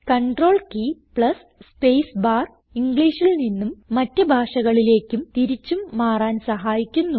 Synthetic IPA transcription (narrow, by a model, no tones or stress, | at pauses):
kɐɳɖro̞ːɭkiːpɭɐs | spejsbaːr | iŋɡɭiːʂilninːumːɐtːɨbʱaːʂɐɣɐɭile̞ːkʲːumt̪iɾit͡ɕːumːaːraːnsɐɦaːjikʲːunːu